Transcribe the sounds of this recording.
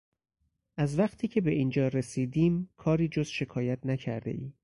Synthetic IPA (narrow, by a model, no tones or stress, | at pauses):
ʔæzvæχt̪ʰiːcʰe̞be̞ʔiːnd͡ʒɒːɾe̞siːd̪iːmkʰɒːɾiːd͡ʒozʃe̞kʰɒːjæt̪ʰnæcʰæ̰ɾd̪e̞̰ʔiː